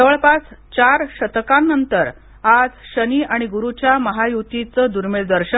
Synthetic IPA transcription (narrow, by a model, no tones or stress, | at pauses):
əʋəɭpat͡st͡ɕaɾɕət̪kãnːənt̪əɾ | ad͡zɕəniʔaɽ̃iɡuɾut͡ɕjaməɦajut̪it͡səd̪uɾmeɭd̪əɾɕə